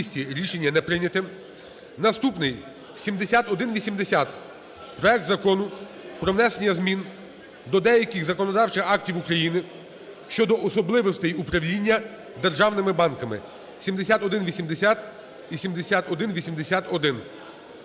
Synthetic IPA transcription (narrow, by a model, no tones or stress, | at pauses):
sʲtʲiɾʲiʃe̞nʲːɐnɛpɾɪnʲɐt̪ɪm | nɐst̪upnɪj | sʲimd̪esʲat̪ɔd̪ɪnʋʲisʲimd̪esʲat̪ | pɾɔɛk̚t̪zɐkɔnʊ | pɾɔʋnɛsenʲːɐzmʲin | d̪ɔd̪ɛjɐkɪxzɐkɔnɔd̪ɑwt͡ʃɪxɑk̚tʲiwukɾɐjinɪ | ʃt͡ʃɔd̪ɔʔɔsɔblˠɪʋɔst̪ɛjupɾɐwlʲinʲːɐ | d̪erʒɑwnɪmɪbɑnkɐmɪ̰ | sʲimd̪esʲat̪ɔd̪ɪnʋʲisʲimd̪esʲat̪ | ʋʲisʲimd̪esʲat̪ɔd̪ɪnʋʲisʲimd̪esʲat̪ɔd̪ɪn